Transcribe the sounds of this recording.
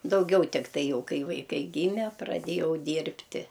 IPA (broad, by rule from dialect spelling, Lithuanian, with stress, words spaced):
dɐʊˈɡʲɛʊ tʲɪkˈtɐɪ ˈjɛʊ ˈkɐɪ ʋɐɪˈkɐɪ ˈɡʲiːmʲɛ prɐˈdʲeːjɛʊ ˈdʲiːrʲpʲtʲɪ